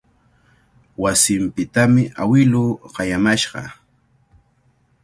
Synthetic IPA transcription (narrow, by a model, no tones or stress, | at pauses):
wasɪmpɪt̪amɪʔawɪlʊːɢɑjamaʃɢɑ̰